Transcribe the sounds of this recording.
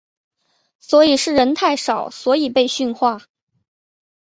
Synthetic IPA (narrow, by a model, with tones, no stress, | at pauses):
swɔ˧˥i˨˩ʂɻ̩˥˩ɻə˧˥nt̪ʰa˥˩ɪʂɑ˨˩˦ʊswɔ˧˥i˨˩pe˥˧ɪɕy˥˧nxwa˥˩